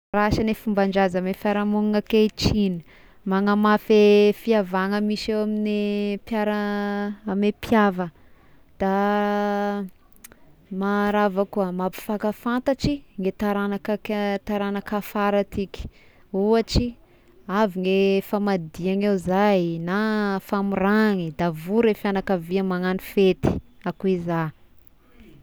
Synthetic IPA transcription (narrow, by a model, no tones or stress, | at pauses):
ɾaʃanefumbaɳɖ͡ʐazamefaɾamuŋŋaket͡ʃini̥ | maŋəmafefiavaŋəmiʃewaminepjaɾəamepʰjavə | d̪̥a | maɾavakuamapi̥fakəfant̪aʈ͡ʂiŋet̪aɾanakakt̪aɾanakafaɾat̪ikʲi̥ | uaʈ͡ʂi | aviŋefamad̪iaŋewzajnafamuɾaŋid̪avuɾefianakaviamaŋanifet̪i̥akuiza